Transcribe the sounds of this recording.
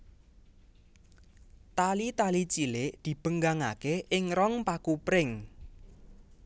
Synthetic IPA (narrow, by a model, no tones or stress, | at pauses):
t̪alit̪alit͡ʃilɪʔd̪̥i̤b̥əŋɡaŋakeʔɪŋɾɔŋpakupɾɪŋ